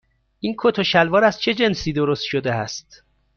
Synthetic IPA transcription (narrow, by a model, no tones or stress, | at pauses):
ʔiːnkʰot̪ʰoʃælvɒːɾæzt͡ʃʰe̞d͡ʒe̞nsiːd̪oɾost̪ʃod̪eæst̪